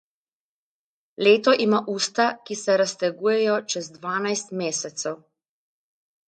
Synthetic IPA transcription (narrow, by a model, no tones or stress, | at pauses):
leːt̪ɔʔimaʔuːst̪akisɛɾast̪ɛɡuːjɛjɔt͡ʃɛzd̪ʋaːnajst̪meːsɛt̪sɛw